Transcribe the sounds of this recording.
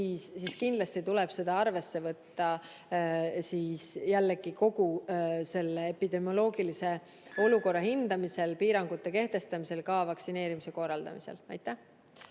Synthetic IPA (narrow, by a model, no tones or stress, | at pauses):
iːsːiːskind̪lɑst̪it̪ule̞b̥se̞d̪̥ɑɑrve̞sːe̞vɤt̪ːɑ | siːsjælːeɡ̥iko̞ɡuse̞lːeepid̪̥e̞mjo̞lo̞ːɡ̥ilise̞ | o̞luko̞rːɑhind̪̥ɑmise̞lpiːɾɑŋɡ̥ut̪ːˑe̞ke̞ht̪e̞st̪ɑmise̞lkɑvɑksine̞ːɾimise̞ko̞rːɑld̪ɑ̰mise̞̰lɑ̰jt̪ˑːæh